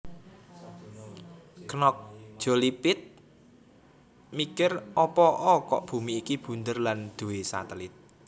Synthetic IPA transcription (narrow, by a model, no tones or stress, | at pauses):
knɔk̚d̥ʒ̥o̤lipɪt̪̚ | mikɪrɔpɔʔɔkɔ̰ʔb̥ṳmiːkib̥ṳnd̪ərland̪̥ṳwesa̰t̪əlɪt̪̚